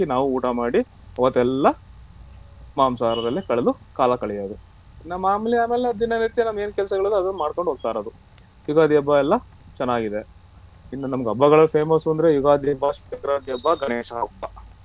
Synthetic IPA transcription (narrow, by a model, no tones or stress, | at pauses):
inaːʋuuːʈɐmaːɽi | ɐʋɐt̪ːuɛlːɐ | maːmsaːɾɐd̪ɐlːikɐɭelukaːlɐkɐɭijoːd̪u | inːɐmaːmiliaːmeːleɐd̪d̪ːinɐniɾt̪ijenɐmːe̞ːnkɛlsɐɡɐɭɐd̪ɐd̪ɐnːɐmaːɖko̞ɳɖɦoːɡ̚t̪aːɾod̪u | juɡaːd̪jɐbːɐɛlːɐ | t͡ʃɛnːaːɡid̪e | inːunɐmɐɡɐbːɐɡɐɭɐpʰeːmɐsuɐnd̪ɾejuɡaːd̪ʱjɐbːɐʃʋit̪ɐkɐɾaːd̪jɐbːɐɡɐneːʂa̰ɐbːɐ